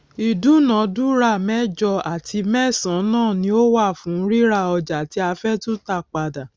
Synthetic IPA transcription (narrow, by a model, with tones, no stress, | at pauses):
i˨du˨˦nã˨˦du˦ɾa˦˨mɛ̃˦d͡ʒɔ˧a˨tʰi˧mɛ˦˨sã˨˦nãː˦˨nĩ˦o˦wa˦˨fũ˨˦ɾi˦ɾa˧ɔ˧d͡ʒa˨ti˧˦a˧fɛ˦tũ˦ta˧˨k͡pa˧da˨